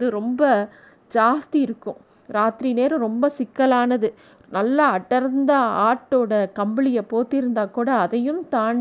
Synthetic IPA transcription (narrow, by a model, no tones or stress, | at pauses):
ɐðɯɾɔmbɐ | d͡ʒaːst̪iɪɾɯkːʊ̰̃ | ɾaːt̪ɾineːɾɯ̃ɾɔmbɐsɪkːɐlaːnɐðɯ | nɐlːɐɐʈːɐɾnd̪ɐaːʈːoːɽɐkɐmbɪlɪjɐpoːt̪ːɪɾɯnd̪aːkuːɽɐːðɐjɯmt̪aːɳɖ